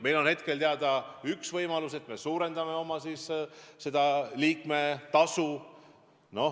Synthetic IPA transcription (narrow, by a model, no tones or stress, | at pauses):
me̞jlo̞nhe̞t̪ke̞lt̪eɑd̪̥ɑyksvɤjmɑluse̞t̪ːˑme̞suːɾe̞nd̪ɑme̞o̞mɑsiːsse̞d̪̥ɑliːkme̞t̪ɑsu | no̞